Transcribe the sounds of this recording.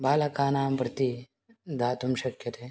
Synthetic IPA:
baːlɐkaːnaːmpɾɐt̪i | d̪ʱaːt̪umʃɐkjɐt̪e

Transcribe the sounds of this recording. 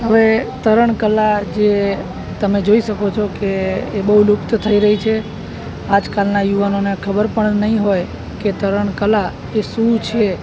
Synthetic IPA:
ɦəʋet̪əɾəɳkəlad͡ʒe | t̪əmed͡ʒoiʃəkot͡ʃʰokeːbəɦulʊkt̪t̪ʰəiɾəɦit͡ʃʰe | ad͡ʒkalnajuʋanonekʰəbəɾpəɳnəɦĩɦoj | ket̪əɾəɳ̃kəla | esut͡ʃʰe

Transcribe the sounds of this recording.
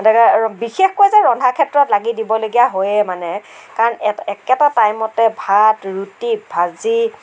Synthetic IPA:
dɛkbixexkojzɛɹɔndʱakʰɛtɹɔtlaɡidibɔloɡijaɦojɛmanɛkaɹɔnɛɛkɛtatajmɔtɛbʱatɹutibʱazi

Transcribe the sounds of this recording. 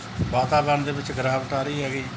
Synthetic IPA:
ʋaːt̪aːbənd̪eːʋɪt͡ʃɡəɾaːʋʈaːɾiːɦɛːɡiː

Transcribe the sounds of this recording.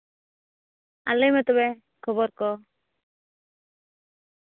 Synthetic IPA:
a̰lɛjmɛt̪ɔbɛ | kʰɔbɔɾkɔ

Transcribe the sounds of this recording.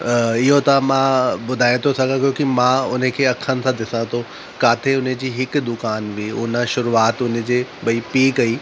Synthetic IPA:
ɪɦot̪ɐmãbʊd̪ʱaːẽt̪ʰosɐɡə̃kjõkimãʊn̤ə̆kʰeːɐkʰənɪ̆sãd̪ɪsãt̪ʰo | kaːt̪ʰeʊnəd͡ʑiːɦɪkd̪ʊkaːnʋiːʊnə̆ʃʊɾuaːt̪ʊn̤ə̃̆d͡ʑeːbɐipiːkɐiː

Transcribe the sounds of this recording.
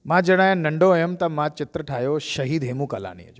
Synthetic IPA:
mãd͡ʒəɽ̃aːjãnɐɳɖojəmt̪amãt͡ʃɪt̪ɾəʈʰaːjoʃɐɦiːd̪ɦeːmũkala̰ːnḭjə̰d͡ʒoː

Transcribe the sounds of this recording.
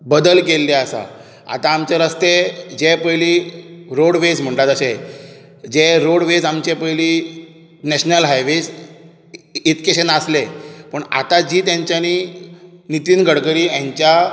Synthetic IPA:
bəd̪əlkelːeasa̰ | a̰t̪aːmt͡ɕeɾəst̪ed͡ʑepəjliːɾoɽʋesm̤əɳʈat̪əɕe | d͡ʑeɾoɽʋed͡zamt͡ɕepəjliː | nɛɕnəlɦajʋes | it̪keɕenaslepəɳa̰t̪ad͡ʑiːt̪jãɲt͡ɕjani | nit̪iːnɡʱəɽɡəɾiːãɲt͡ɕja

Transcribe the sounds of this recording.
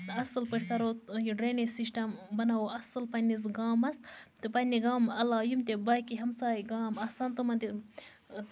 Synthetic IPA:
ɐsɨlpiʈʰkɐɾojiɖɾeːnisiʂʈɐmbɐnawoʔɐsɨlpɐnʲis̬ɡaːmɐst̪ɨpɐnʲiɡaːmɐlaːjumt̪ebaːkiɦɐmsaːjɡaːmɐsɐnt̪umɐnt̪i

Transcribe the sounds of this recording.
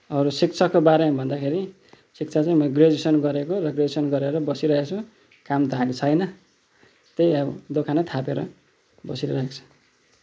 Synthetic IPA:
ʌɾusikt͡sʰʌkːobaɾemabʱʌnd̪akʰeɾi | sik̚t͡sʰat͡sãĩmʌjɡred͡zisʌnɡʌɾekorʌɡreesʌnɡʌɾeɾʌbʌsiɾʌɦekt͡sʰũ | kamt̪ʌɦãlet͡sʰʌjnʌ | t̪ejʌd̪okʰanʌt̪ʰapeɾʌ̰ | bʌsiɾʌɾʌɦekt͡sʰʌ̥

